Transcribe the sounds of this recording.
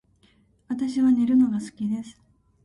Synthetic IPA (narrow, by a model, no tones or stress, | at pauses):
βat̪aɕiβaneɾɯ̟no̞ɡasɨ̥kʲid̪e̞sɨ̥